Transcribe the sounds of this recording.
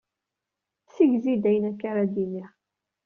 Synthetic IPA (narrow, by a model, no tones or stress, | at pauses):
siʝzid̪æjənækːaɾad̪imiʁ